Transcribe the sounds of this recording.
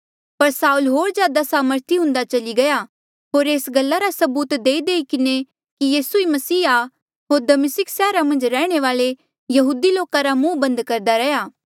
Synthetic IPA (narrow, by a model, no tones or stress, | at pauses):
pɐɾsaːulɦoːɾd͡ʒjaːd̪asaːməɾt̪iɦʊ̃nd̪at͡ʃɐliɡɐja | ɦoːɾeːsɡɐlːaɾasɐbuːt̪d̪eːid̪eːikɪne | kijiːsuimɐsiːa | ɦoːɾd̪ɐmɪsɪksɛːɾamɐ̃nd͡ʒɾɛːɽ̃eʋaːle | jɐɦuːd̪iloːkaɾamũːbɐ̃nd̪kɐɾd̪aɾɛjaː